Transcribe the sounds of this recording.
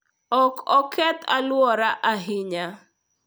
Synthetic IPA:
ɔkɔkʰɛt̪ʰalwɔɾaʔaɦɪɲa

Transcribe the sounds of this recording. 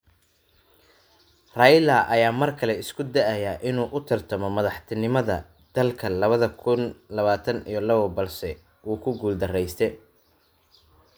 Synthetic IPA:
raːjlaːʔɐjaːmɐrkʰɐlɛɪskʰʊd̪ɐʔɐjaʔɪnuːʔʊt̪ʰɪrt̪ʰɐmɔmɐðɑħt̪ʰɪnɪmɐðɐ | d̪̥ɐlkʰɐlɐβɐðɐkʰʊnlɐβaːt̪ʰɐnḭjɞlɐβɔbɐlsɛ | uːkʰʊɡuːld̪ɐrɛjst̪ʰɛ

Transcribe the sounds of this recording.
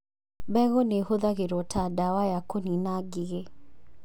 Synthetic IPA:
bɛɣɔnehoðaɣeɾɔtʰadawajakoninaɡiɣe

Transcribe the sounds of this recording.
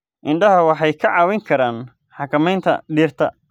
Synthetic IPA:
ʔɪɳɖɐɦɐwɑħɑjkʰɐʕɑːwɛŋkʰɐɾaːn | ħɑkʰɐmɛjnt̪ʰɐ̰ɖiːrt̪ʰɐ

